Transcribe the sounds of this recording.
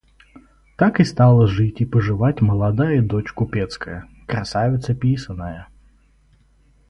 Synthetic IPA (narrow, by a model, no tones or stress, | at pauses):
t̪akɨst̪alˠəʐɨtʲipəʐɨvatʲməlˠad̪ajəd̪ot͡ɕkʊpʲet̪skəjə | kɾɐsavʲɪt̪səpʲisənːəjə